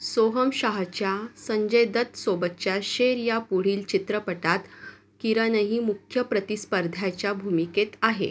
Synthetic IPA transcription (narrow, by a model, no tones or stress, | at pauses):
soɦəmɕaɦt͡ɕjasəɲd͡ʑəjd̪ət̪sobət̪ːt͡ɕjaɕeɾjapuɽ̤iːlt͡ɕit̪ɾəpəʈat̪ | kiɾənəɦimukʰjəpɾət̪ispəɾd̪ʱjat͡ɕjabʱumiket̪aɦḛ